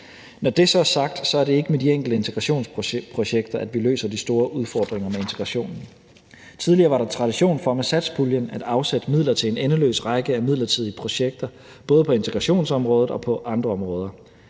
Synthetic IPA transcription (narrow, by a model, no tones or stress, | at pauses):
nɒd̥e̝sɒ̽sɑ̈ɡ̥d̥sɒ̽æɐɾe̝e̝ɡ̥əmed̥ieŋ̰ɡ̥l̩d̥əe̝nt͡sʰeɡ̥ʁɑ̈ɕo̝̰ːnspʰʁo̝ɕeɡ̥̚d̥ɐʔæd̥ʋilø̰ːsɐd̥isd̥o̝ːɐʔuð̞ˠfɒːd̥ʁeŋɐmee̝nt͡sʰeɡ̥ʁɑ̈ɕo̝̰ːnn̩ | t͡sʰið̞ˠliɐːʋɑ̈ɾɑ̈t͡sʰʁɑ̈d̥iɕo̝̰ːnfɒ̽mesæd̥sb̥ʰuljənæd̥ɑ̈ʊsed̥əmið̰ˠlɐt͡sʰe̝le̝nenəlø̰ːsʁɑ̈ɡ̥əæmið̰ˠlɐt͡sʰið̞̰ˠiəpʰʁo̝ɕeɡ̥̚d̥ɐ | b̥ɔ̽ːð̞̩ˠpʰɒ̽e̝nt͡sʰeɡ̥ʁɑ̈ɕo̝̰ːnsɒ̽mʁɔ̽ːð̩ˠɒ̽pʰɒ̽ʔɑ̈nd̥ʁɐɒ̽mʁɔ̽ːð̞ˠɐ